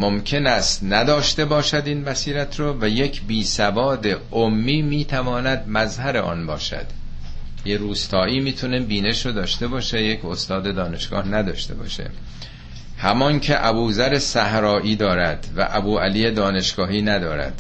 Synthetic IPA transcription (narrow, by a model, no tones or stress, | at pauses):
momcʰe̞næst̪næd̪ɒːʃt̪e̞bɒːʃæd̪iːnbæsiːɾæt̪ʰɾovæje̞cʰbiːsævɒːd̪e̞ | omːiːmiːt̪ʰævɒːnæd̪̚mæzhæɾe̞ʔɒ̰ːnbɒːʃæ̰d̪̥ | jeɾuːst̪ʰɒːʔiːmiːt̪ʰunebiːne̞ʃod̪ɒːʃt̪e̞bɒːʃejecʰost̪ɒːd̪ed̪ɒːne̞ʃɡ̥ɒ̰ːhnæd̪ɒːʃt̪e̞̰bɒ̰ːʃḛ | hæmɒŋcʰe̞ʔæbuːzæɾe̞sæhɾɒːʔiːd̪ɒːɾæd̪væ̰ʔæbuːæliːjed̪ɒːne̞ʃɡ̥ɒːhiːnæd̪ɒːɾæ̰d̪̥